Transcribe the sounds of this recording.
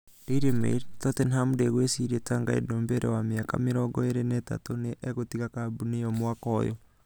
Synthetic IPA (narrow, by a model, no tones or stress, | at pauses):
ɾiɾemḛiɾtɔtɛnhamdeɣwesiɾietaŋɡaḛdoːmbeɾʔɛ̰wamiaka̰meɾɔɡɔeɾenɛta̰toneʔeɣotiɣakabuneɔmwakɔjɔ̰